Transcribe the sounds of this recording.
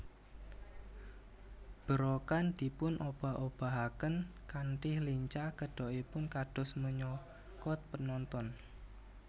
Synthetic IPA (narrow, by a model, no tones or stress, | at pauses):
b̥əɾokand̪̥i̤pʊnʔob̥a̤ʔob̥a̤ɦakənkaɳʈɪhliɲt͡ʃakəɖ̥ɔ̤ʔipʊnkaɖ̥ɔ̤sməɲɔ | kɔt̪̚pənɔnt̪ɔn